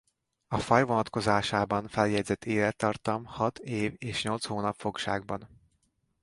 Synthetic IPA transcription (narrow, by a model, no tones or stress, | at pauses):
ɒfɒjvo̞nɒt̪ko̞zaːʃaːbɒnfɛljɛɟzɛt̪ʰːeːlɛt̪ːɒrt̪ɒmhɒt̪ʰeːveːʃɲo̞lt̪shoːnɒpfo̞kʃa̰ːɡ̚bɒn